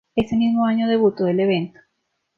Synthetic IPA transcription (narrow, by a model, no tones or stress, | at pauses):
e̞semizmoaɲoðeβ̞ut̪oðe̞leβ̞e̞nt̪o̥